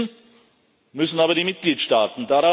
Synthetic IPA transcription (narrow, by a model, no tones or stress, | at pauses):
n | mʏsn̩aːbɐdiːmɪt̚ɡ̥liːtʃtaːtn̩daːɾa